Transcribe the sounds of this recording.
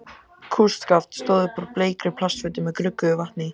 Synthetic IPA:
kʰust̪kaft̪st̪oːðʏpɔɾpleːjkɾɪpʰlast̪fʏt̪ɪmɛðkɾʏkːʏvaht̪ni

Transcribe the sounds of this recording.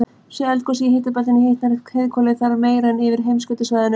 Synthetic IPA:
sjɛɛlkɔsiheht̪apalɪnɪheht̪naɾheðkʰɔːlɪθaɾmeːjɾaɛnɪvɪɾ̥ɦejmskœt̪ʏsvajðɪnʏ

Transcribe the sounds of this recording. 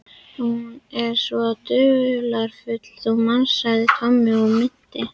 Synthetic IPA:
huunɛɾ̥svɔt̪ʏʏlaɾ̥fʏt̪l̥θɔɣmansaðɪkʰamːɪɔmɪn̥t̪ːɪ

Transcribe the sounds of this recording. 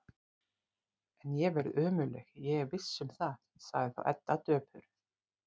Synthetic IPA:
ɛnjɛɣvɛɾðʔœːmʏlɛxjɛɣɛɾvɪsːʏmθaðsaɣðɪθa̰wʔɛ̰t̪nat̪œːpʰʏɾ

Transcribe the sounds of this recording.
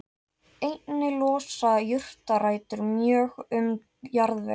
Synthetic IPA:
ejt̪nɪlɔːsajʏr̥t̪araːjt̪ʏɾmjœːɣʏm | jaɾðvɛ̰

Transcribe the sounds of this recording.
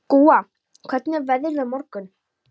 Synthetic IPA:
kuːa | kʰvɛɾt̪nɛɾvɛðɪɾamɔɾkʏn

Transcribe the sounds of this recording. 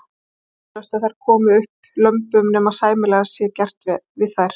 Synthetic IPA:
œst̪aðθajɾ̥kʰɔːmʏʏhp | lœmpʏmnɛmasaːjmɪlɛɣasjɛcɛr̥t̪vɪðθajɾ̥

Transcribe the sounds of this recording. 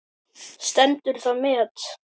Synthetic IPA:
st̪ɛnt̪ʏɾ̥θaðmɪːt̪

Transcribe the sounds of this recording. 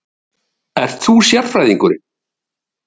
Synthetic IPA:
ɛɾ̥t̪θusjat̪fɾajðiŋkʏɾɪ

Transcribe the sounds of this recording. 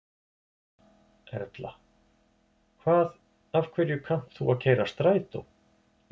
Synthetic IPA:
ɛ̰ɾt̪la̰ | kʰvaːð | avkʰvɛɾjʏkʰan̥t̪θuaðcʰeːjɾast̪ɾaːjt̪ow

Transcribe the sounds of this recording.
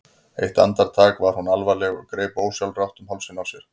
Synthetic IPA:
ḛjht̪a̰nt̪aɾ̥t̪ʰaːkvaɾ̥hunalvalɛɣɔ̰ɣkɾeːpoːwsjawlrawht̪ʏmɦɔlsɪnawsjɛɾ̥

